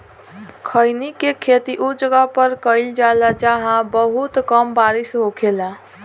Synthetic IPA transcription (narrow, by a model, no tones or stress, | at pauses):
kʰəjnikekʰet̪iʔud͡ʒəɡapəɾkəɪld͡ʒalad͡ʒaɦãbəɦut̪kəmbaɾisɦokʰela